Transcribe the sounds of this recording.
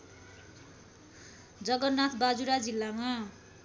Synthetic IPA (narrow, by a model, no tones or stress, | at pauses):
d͡zʌɡʌrnːat̪ʰbad͡zuɾad͡zilːama